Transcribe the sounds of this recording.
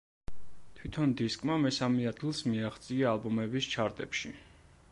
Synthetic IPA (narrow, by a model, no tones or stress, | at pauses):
t̪ʰwit̪ʰɔnd̪iskʼmamɛsamɛad̪̚ɡilˠsmiaχt̪sʼiaːlˠbɔmɛbist͡ʃʰaɾt̪ʼɛpʃi